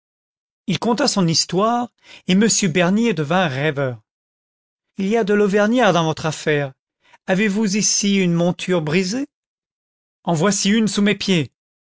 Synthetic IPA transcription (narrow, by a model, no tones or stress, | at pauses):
ilkɔ̃t̪asɔ̃nist̪waːʁ | eməsjøbɛʁnjed̪əvɛ̃ʁɛvœːʁ | iliad̪əlovɛʁnjɛʁd̪ɑ̃vɔt̪χafɛːʁ | avevuzisiynmɔ̃t̪ʰyʁbʁize | ɑ̃vwasiynsumepje